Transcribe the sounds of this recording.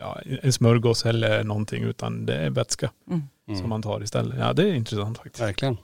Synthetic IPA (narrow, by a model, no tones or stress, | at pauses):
jɑ̰ːɛnsmœɾɡɔsɛlːənɔnːt̪ʰɪ̰ŋːʉ̰ːt̪ʰɑ̰nd̪ɛ̰æɾʋɛt̪skə | sɔmːɑnt̪ʰɑːɾɪst̪ɛ̰lːəjɑ̰ːd̪ɛæɾɪnt̪ɾəsɑnt̪fɑkt̪ɪslɪən